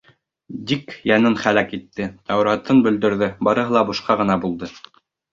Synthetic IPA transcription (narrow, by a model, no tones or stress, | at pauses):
d̪ikjɑnɤnχælækit̪ːɘt̪ɑwɾɑt̪ɤnbɵ̆ld̪ɵ̆ɾðɘbɑɾɤ̆ɦɤlˠɑbŏʃqɑʁɤ̆nɑbulˠd̪ɤ